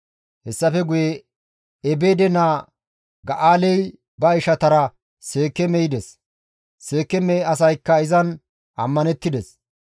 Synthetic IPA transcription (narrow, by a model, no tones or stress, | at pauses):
hɛsːɐfɛɡʊjeː | beːd̪ɛnaː | ɡɐʔaːlɛj | bɐɪʃɐt̪ɐɾɐ | se̞ːkːɛmɛjɪd̪ɛs | se̞ːkːɛmɛɐs̬ɐjkːɐɪzɐn | ɐmːɐnɛt̪ːɪd̪ɛs